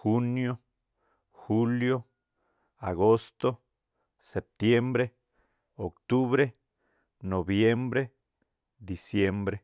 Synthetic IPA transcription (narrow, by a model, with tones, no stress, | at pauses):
xu˦njo˦ | xu˦ljo˦ | a˨ɡo˦st̪o˦ | se˨p̚t̪je˦mbɾe˦ | o˨kt̪u˦βɾe˦ | no˨βje˦mbɾe˦ | d̪i˨sje˦mbɾe˦